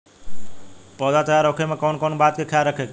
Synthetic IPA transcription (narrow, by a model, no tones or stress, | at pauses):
pəd̪at̪əjaɾokʰemekɔwnkonbat̪kekʰeaɾəkʰek